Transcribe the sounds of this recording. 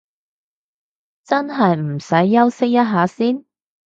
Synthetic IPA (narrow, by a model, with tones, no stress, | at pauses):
t͡sɐ˥nɦɐ˨jm̩˨˩sɐ˨˥jːɐ˥wsɪ˥k̚jɐ˥t̚ɦaː˨˥siː˥n